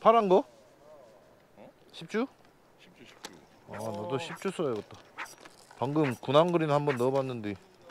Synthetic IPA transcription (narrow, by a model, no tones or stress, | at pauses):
pʰaɾaŋɡʌ | ɕʰip̚t͡ɕ͈u | anʌdoɕʰip̚t͡ɕ͈us͈ʰʌjoɡʌt͈̚a | paŋɡɯmkunaŋɡɯɾinnhambʌnːʌbanːɯnde